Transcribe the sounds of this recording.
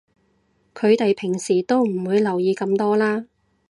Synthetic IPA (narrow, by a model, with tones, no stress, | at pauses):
kʰɵ˨˧ɥt̪e˨jpʰɪ˨˩ŋsiː˨˩t̪o˥wm̩˨˩wuː˨˧jlɐ˨˩wjiː˨˧kɐ˧mt̪ɔː˥laː˥